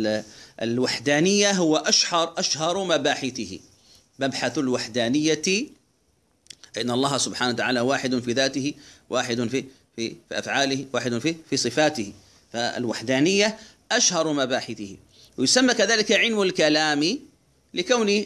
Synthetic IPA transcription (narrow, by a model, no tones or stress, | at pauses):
ɪlwaħd̪aːnɪjːaɦʊwaʔaʃhɑɾˤʔaʃhɑɾˤmabaːħɪθɪhɪ̰ | mabħaθalwaħd̪aːnɪjːa | ʔʔɪnːaʔɑlˤːɑːhsʊbħaːnat̪aʕaːlawaːħɪd̪ʊnfiːðaːt̪ɪhɪwʔaːħɪd̪ʊnfi | fifḭʔa̰fʕaːlɪhwaːħɪd̪ʊnfifiːsˤɨfaːt̪ɪhɪ | faɪ̰lwaħd̪aːnɪjːa | ʔaʃhɑɾˤmabaːħɪθɪhɪ | wɪjʊsamːakaðaːlɪkaʕɪlmalkalaːmi | lɪkawni